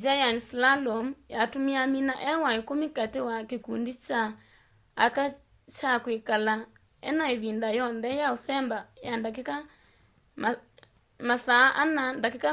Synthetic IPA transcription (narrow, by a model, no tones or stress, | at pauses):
d͡ʒajanislalɔmujatumiaminaʔɛwaekomikatewakekundit͡ʃaː | ka | t͡ʃakwekala | ɛ̰naeβindajɔnðɛjaosɛmbajandakka | m | masaʔanandakeka